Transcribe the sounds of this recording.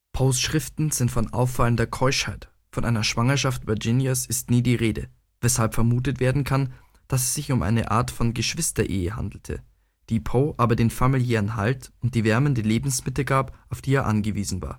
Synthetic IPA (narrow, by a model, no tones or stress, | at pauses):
pʰoːsʃʁ̥ɪftn̩z̥ɪntfɔnʔa̰ʊfːaləndɐkʰɔʏʃhaɪt | fɔnʔa̰ɪnɐʃv̥aŋɐʃaftv̥ɛɐd͡ʒɪnjasɪstniːdiːʁeːdə̰ | vɛshalpfɛɐmuːt̬ətv̥eːɐdn̩kʰan | d̥as̬ɛsz̥ɪçʊmʔa̰ɪnə̰ʔa̰ːɐtfɔnɡəʃv̥ɪstɐʔḛːəha̰ndl̩tʰə̰ | d̥iːpʰoːʔaːbɐdeːnfamiljɛːʁənɦa̰ltʊnt̚d̥iːvɛɐməndəleːbm̩smɪtl̩ɡaːpʔaʊfd̥iːeːɐʔanɡəviːzn̩va̰ːɐ